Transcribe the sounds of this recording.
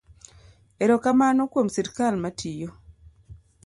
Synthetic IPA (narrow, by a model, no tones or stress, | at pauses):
eɾokamanɔkwomsiɾkalmatʰijo